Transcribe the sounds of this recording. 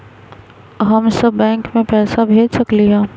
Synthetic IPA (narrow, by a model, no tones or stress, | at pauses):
ɦɐmsɐbːɛ̃ːŋkmẽpɛːsabʱeːd͡ʒsɐkliɦɛ̃ː